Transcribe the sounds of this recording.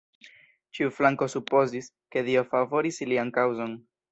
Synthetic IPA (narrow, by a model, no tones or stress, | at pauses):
t͡ʃiuflaŋko̞supo̞zis | ke̞dio̞favo̞ɾisliankawzo̞n